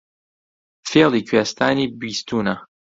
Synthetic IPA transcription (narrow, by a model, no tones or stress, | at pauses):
fɛʁlikɥast̪anibɥist̪una